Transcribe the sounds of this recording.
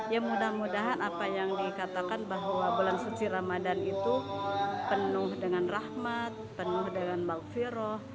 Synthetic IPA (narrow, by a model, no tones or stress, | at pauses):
jaŋmudahmudaɦanapajaŋdikat̪akanbaɦwabulansut͡ʃiɾamadanit̪upənʊhdəŋanrahmat̪̚pənʊhdəŋanbalfiɾɔh